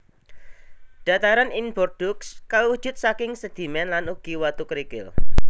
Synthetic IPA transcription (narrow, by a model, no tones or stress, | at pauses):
d̥a̤t̪aɾaninbɔrd̥ʊkskawu̥ʒ̥ʊ̤t̪̚sakɪŋsəd̪̥i̤mɛnlanuɡ̥iwat̪ukɾikɪl